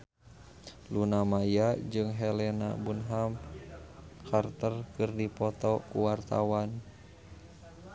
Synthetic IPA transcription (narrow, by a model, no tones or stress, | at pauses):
lunamajad͡ʒɨŋɦɛlɛna̰bunɦam | kʰart̪ərkɨrdipɔt̪ɔkuwart̪a̰wan